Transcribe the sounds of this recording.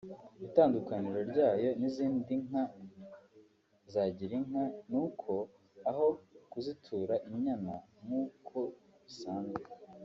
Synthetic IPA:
itaːndukaniɾoɾɟaːjo̞niziːndiŋa | zaɟiɾiŋɦanuːkʰo̞ | aɦo̞kuzitʰuːɾaʔiɲɲanamuːkʰo̞ | βisaːnze

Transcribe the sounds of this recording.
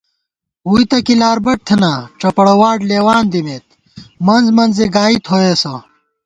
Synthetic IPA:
wuit̪ɐkilaːɾbɐʈ̚t̪ʰenaʈ͡ʂɐpɐɽɐwaːʈleːwaːnd̪imet̪̚ | mɐnzmɐnzeɡaːit̪ʰhoeːsɐ

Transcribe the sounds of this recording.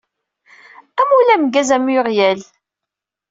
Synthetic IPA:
æmulæmɡæzæmiʁjæl

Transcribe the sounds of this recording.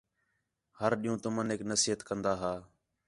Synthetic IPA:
həɾɗĩːũːt̪əməneːknəsiːɦət̪kənd̪aːɦaː

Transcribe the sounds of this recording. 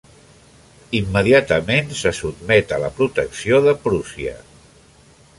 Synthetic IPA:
imːəðiat̪əmensəsud̪̚mɛt̪ələpɾut̪əksioðəpɾusiə̰

